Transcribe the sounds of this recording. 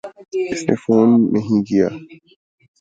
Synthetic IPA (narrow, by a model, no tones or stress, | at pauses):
ɪsnḛfoːnːɐɦĩkijaː